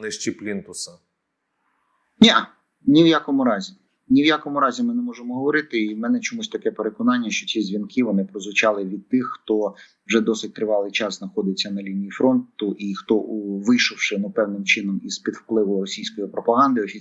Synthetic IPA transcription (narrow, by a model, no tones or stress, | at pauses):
nɪʃt͡ʃʲiplʲint̪ʊsɐ | nʲɛ | nʲiwjakɔmʊɾɑzʲi | nʲiwjakɔmʊɾɑzʲimɪnɛmɔʒemɔɦɔʋɔɾɪt̪ɪimɛnɛt͡ʃɔmusʲt̪ɐkɛpeɾekɔnɑnʲːɐʃt͡ʃɔt͡sʲizʲʋʲinkʰɪʋɔnɪpɾɔzʋʊt͡ʃɑlˠɪʋʲid̪̚t̪ɪxːt̪ɔ | wʒɛd̪ɔsɪt̚ʲt̪ɾɪʋɑlˠɪjt͡ʃɑzznɐxɔd̪ɪt͡sʲːɐnɐlʲinʲijifɾɔnt̪ʊʔixt̪ɔʋɪjʃʊwʃɪnʊpɛwnɪmt͡ʃɪnɔmispʲid̪wplˠɪʋʊrɔsʲijsʲkɔjipɾɔpɐɦɑnd̪ɪɔsʲi